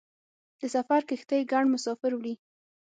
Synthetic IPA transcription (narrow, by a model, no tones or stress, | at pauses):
d̪̥əsafaɾkəxt̪əjɡaɳmʊsɑfɪɾwɽi